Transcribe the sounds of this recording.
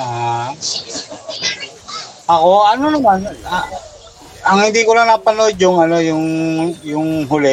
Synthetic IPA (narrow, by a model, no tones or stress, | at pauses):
a | ʔɐko̞ʔɐnonɐmana | ɐŋhɪnd̪ikolanɐpɐnod͡ʒʊŋɐnojʊŋjʊŋɦʊlɛ